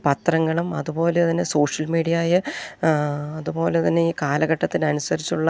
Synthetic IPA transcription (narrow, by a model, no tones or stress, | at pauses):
pɐt̪rɐŋːɐɭumɐðupo̞ːlet̪inːeso̞ːʂjɐlmiːɽijɐaːjɐ | ɐðupo̞ːlet̪ɐnːeiːkaːlɐɣɐʈːɐt̪ːinɐnusɐɾit͡ɕːuɭːɐ